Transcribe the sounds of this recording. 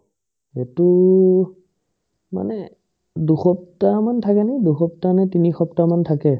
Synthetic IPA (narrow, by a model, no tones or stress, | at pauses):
etu | ma̰nɛ | duxɔp̚tamantʰakɛnɛduxɔptanɛtinixɔptamantʰakɛ